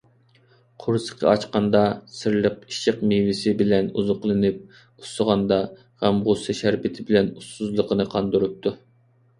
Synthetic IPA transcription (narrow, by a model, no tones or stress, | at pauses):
qʰʊɾsə̥qʰɑ̰ɑt͡ʃqɑnd̪ɑsɨɾlˠəqiʃɪqmewɪsɪbɪlɛnṵzʊqlˠɨnɪp̚ | usəʁɑnd̪ɑ | ʁæmʁʊsɨʃæɾpɪt̪ʰɪbɪlɛnusuzlˠəqənɨqʰɑnd̪uɾup̚t̪ʰu